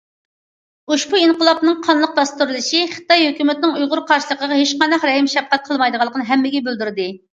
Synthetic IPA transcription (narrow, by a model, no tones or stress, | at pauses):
uʃbuinqəlˠɑpnɨŋqʰɑnlˠəq̚b̪ɑst̪uɾlˠɨʃiχə̥t̪ɑjɦøkʲymɪt̪̚nɪŋujʁʊɾqʰɑɾʃilˠəqəʁɑɦeʃqɑnd̪ɑqɾɛjɪmʃɛfqɛt̪̚qʰəlˠmɑjd̪əʁɑlˠəqnɨɦɛmːɪɡʲɛbøld̪yɾɪd̪ɨ